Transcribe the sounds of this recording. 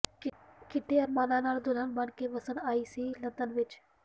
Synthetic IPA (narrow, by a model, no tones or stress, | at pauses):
kɪʈʰeɐɾmaːnanaːld̪ʊlənbəɳkeʋɐsənaːisilɐnd̪ənʋɪt͡ʃ